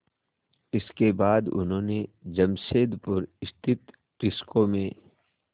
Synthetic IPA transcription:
ɪskebaːd̪ʊ̰nɦõːned͡ʒɐmʃeːd̪pʊɾɪst̪ʰɪt̪ | ʈɪskomẽ

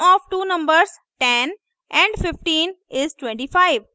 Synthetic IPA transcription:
ɔːʋʈuːnə̃mbəɾs | ʈɛ̃n | ʔɛ̃ɳɖfɪfʈĩːnɪzʈwɛ̃ɳʈiːfaɪʋ

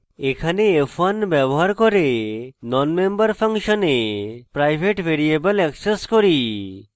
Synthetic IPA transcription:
ekʰaneefʰanbɛbɔɦaɾkɔɾenɔnmembɔɾpʰaŋʃɔnepɾajbʱeʈbʱeɾiebəlɛkseskoɾi

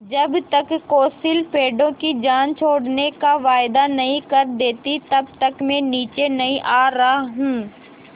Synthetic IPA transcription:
d͡ʒɐbt̪ɐkːoːsilpʰeːɖõkid͡ʒaːnt͡ʃʰoːɽnekaʋaːɪd̪anɐɦĩkɐɾd̪eːt̪it̪ɐb̚t̪ɐkmẽniːt͡ʃenɐɦĩʔaːɾɐɦaɦũː

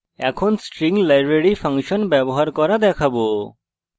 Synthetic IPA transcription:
ɛ̰kʰɔnsʈɾiŋɡlajbɾeɽipʰaŋʃɔnbɛbɔɦaɾkɔɾad̪ɛkʰabo

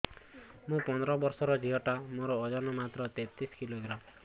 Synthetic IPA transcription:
mũpɔnd̪ɾɔbɔɾsɔɾɔd͡ʒiɦɔʈamoɾɔːd͡ʒɔnɔmat̪ɾɔt̪et̪iskiloɡɾam

